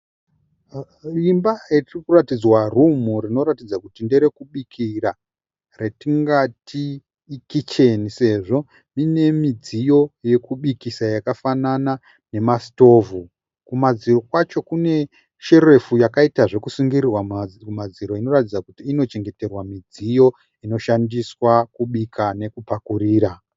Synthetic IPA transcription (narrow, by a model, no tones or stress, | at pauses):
imbairirikuratid͡zwarumuɾino̞ɾatid͡zakutinde̞ɾe̞kuɓikʰira | re̞tiŋɡatʰiː | kit͡ʃe̞nise̞ʐo̞ | mine̞mid͡zijo̞je̞kuɓikisajakafanana | ne̞masto̞ːvu | kumad͡ziro̞kwat͡ʃo̞kune̞ | ʃe̞re̞fujakaitaʐe̞kusuŋɡirirwammad͡ziɾo̞ino̞ratid͡zakutiːno̞t͡ʃe̞ŋɡe̞te̞rwamid͡zijo̞ | ino̞ʃandiswakuɓikʰane̞kupakuriːɾa